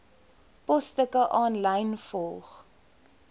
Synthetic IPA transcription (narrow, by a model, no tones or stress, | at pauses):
pɔstəkəʔɑːnləjnfɔlˠχ